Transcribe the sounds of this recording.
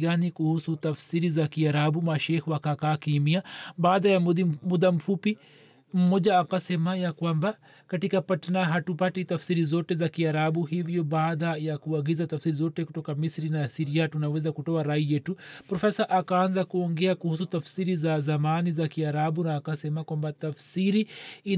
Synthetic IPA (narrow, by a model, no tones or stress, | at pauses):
ɡanikuhusutafsiɾizakiaɾabumaʃɛhwakakaːkimiabaːðajamud̪am̩fupi | m̩ɔʄaːkasɛmajakwamba | katikapatanaɦatupatitafsiɾizɔtɛzakiaɾabuɦivjɔbaːðajakuaɡizatafsiɾizɔtɛkutɔkamisɾinasiɾiatunawɛzakutɔaɾaijɛtupɾɔfɛsaʔakaanzakuɔŋɡɛakuhus̬utafsiɾizazamanizakiaɾabunaːkasɛmakwambatafsiɾii